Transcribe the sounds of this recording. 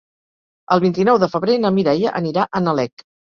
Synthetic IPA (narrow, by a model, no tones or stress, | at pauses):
əlˠβint̪inɔwðəfəβɾenəmiɾɛjəʔəniɾaʔənəlɛk